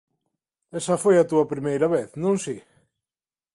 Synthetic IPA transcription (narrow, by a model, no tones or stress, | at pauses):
esɐfojat̪uɐpɾimejɾaβeθnõŋsi